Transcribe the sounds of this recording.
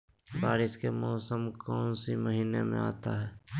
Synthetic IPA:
baːɾɪskemɔːsəmkɔːnsiməɦiːnemḛ̃a̰ːt̪aɦɛː

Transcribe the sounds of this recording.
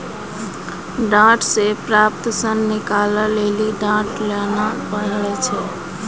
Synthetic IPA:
ɖãʈsepɾap̚t̪sənːikaləleliɖãʈlenapəɽɭɛt͡ʃʰɛ

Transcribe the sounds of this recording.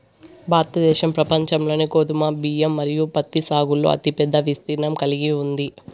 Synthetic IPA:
bʱaːɾt̪ɐd̪ɛːʃɐmpɾɐpɐɲt͡ʃɐmlo̞ːneːkoːd̪umaːbiːjɐmːɐɾijupɐt̪ːisaːɡulːo̰ːɐ̰t̪ipɛd̪ːɐʋist̪iːɾnɐmkɐliɡiund̪i

